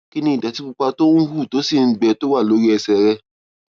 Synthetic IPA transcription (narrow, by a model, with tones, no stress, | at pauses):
ki˦nĩ˧˦i˨da˨ti˦k͡pu˧k͡pa˧to˦nũ˦hu˦˨to˦si˦˨n̩˦ɡ͡bɛ˧to˦wa˦˨lo˨˦ɾi˦ɛ˧sɛ˧ɾɛ˦